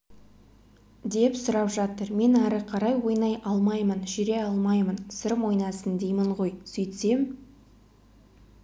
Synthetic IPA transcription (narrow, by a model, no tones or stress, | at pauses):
d̪e̞psʊɾɑpʒɑt̪əɾme̞næɾəqʰɑɾɑjwo̞jnɑjʔɑlˠmɑjmənʒʏɾe̞ɑlˠmɑjmənsəɾəmwo̞jnɑsənd̪ejməɴʁo̞jsɵjt̪se̞m